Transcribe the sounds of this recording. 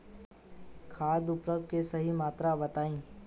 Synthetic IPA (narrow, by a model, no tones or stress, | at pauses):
kʰaːd̪ʊpɾəb̚kesɐɦimaːt̪ɾabɐt̪aːĩː